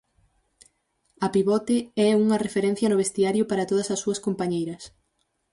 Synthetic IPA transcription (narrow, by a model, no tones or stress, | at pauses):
ɐpiβɔt̪eɛuŋɐrefeɾɛn̟θjɐnʊβest̪iaɾjʊpaɾɐt̪oð̞ɐsɐsːuɐskompaɲejɾɐs